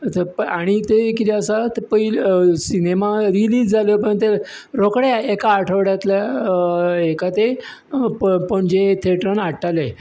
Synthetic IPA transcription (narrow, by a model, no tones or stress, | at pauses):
t̪paɽ̃it̪ekit̪eəsat̪pəilsinemaɾiliːd͡zd͡zʱalopəɳt̪e | ɾokɽjaekaːʈʰəʋɽjat̪la | ekat̪eppəɳd͡ʑet̪ʰeʈɾənaʈʰale